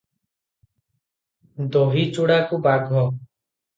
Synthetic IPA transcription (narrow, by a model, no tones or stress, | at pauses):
d̪oɦiːt͡ʃoɽaːkubaːɡɦɔː